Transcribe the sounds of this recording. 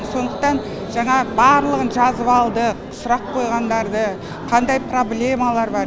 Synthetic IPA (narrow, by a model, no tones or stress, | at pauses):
so̞nd̪əq̚t̪ɑn | ʒ̥ɑɴɑbɑɾlˠəʁənʒɑzəβɑlˠd̪ə | sʊɾɑqːʰo̞jʁɑnd̪ɑɾd̪ə | qʰɑnd̪ɑjpro̞blʲe̞malˠɑɾbɑɾ